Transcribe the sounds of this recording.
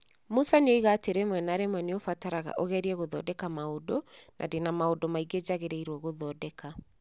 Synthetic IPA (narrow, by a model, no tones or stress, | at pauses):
mosaneoiɣaːteɾemwɛnaɾemwɛneofataɾaɣa̰ʔoɣɛɾiɛɣoðɔdɛkamaodɔnʔa̰denamaodɔmaiɡed͡ʑaɣeɾeiɾwɔɣoðɔdɛka